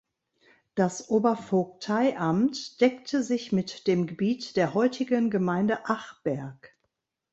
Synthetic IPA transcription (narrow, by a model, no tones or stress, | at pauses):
d̥asʔoːbɐfok̚tʰaɪʔamtd̥ɛktʰəzɪçmɪtd̥eːmɡəbiːtd̥eːɐɦɔʏtʰɪɡənɡəmaɪndəʔaχb̥ɛɐk